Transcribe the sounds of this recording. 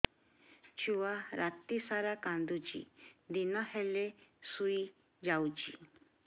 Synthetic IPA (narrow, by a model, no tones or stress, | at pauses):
t͡ʃuaɾat̪isaɾakand̪ud͡ʒḭd̪inãhelesui | d͡ʒawd͡ʒi